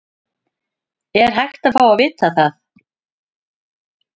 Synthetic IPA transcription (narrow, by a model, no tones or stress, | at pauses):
ɛɾ̥ɦajxt̪aðfaːwavɪːt̪aθaθ